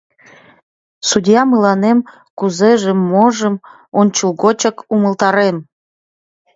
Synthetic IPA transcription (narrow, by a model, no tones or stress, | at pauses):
sudʲjɑmɯlɑnem | kuzeʒemːoʒə̆m | onʲt͡ɕulˠɣot͡ɕəkuməlˠt̪ɑɾem